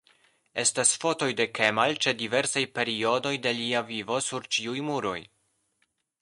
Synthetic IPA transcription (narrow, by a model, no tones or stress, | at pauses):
e̞stasfo̞to̞jde̞ke̞malt͡ʃe̞dive̞ɾsajpe̞ɾio̞do̞jde̞liavivo̞suɾt͡ʃiujmuɾo̞̰j